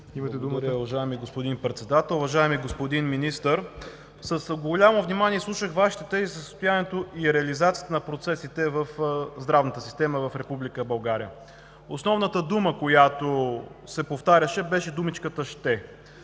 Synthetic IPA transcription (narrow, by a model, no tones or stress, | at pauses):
it̪ɛd̪uɾʊvɐʒaɛmiɡospod̪inpɾɛt̪sɛd̪at̪ɛlˠʊvɐʒaɛmiɡospod̪inminist̪əɾ | səsɡolʲamovnimaniɛslˠuʃəxvaʃi̥t̪ɛt̪ɛzisəsə̥st̪ʊjaniɛt̪oʔiɾɛɐlizat̪sijət̪ənɐpɾot̪sɛsit̪ɛvəfzd̪ɾavnət̪əsi̥st̪ɛməvɐfɾɛpublikəbɐlˠɡaɾḭjə | osnɔvnət̪əd̪uməkojat̪osɛpoft̪aɾʲəʃɛbɛʃɛd̪umit͡ʃkət̪əʃt̪ɛ